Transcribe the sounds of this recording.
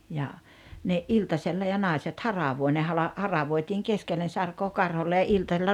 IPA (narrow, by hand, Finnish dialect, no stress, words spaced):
jɑ ne ʔiltɑselːɑ jɑ nɑˑiset hɑrɑʋoi ne hɑlɑ hɑrɑʋoitiːŋ keskelːen sɑrkoː kɑrholːe jɑ iltɑselːɑ